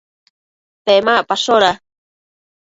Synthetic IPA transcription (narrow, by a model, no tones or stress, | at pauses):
pemaʔpaʃoɾa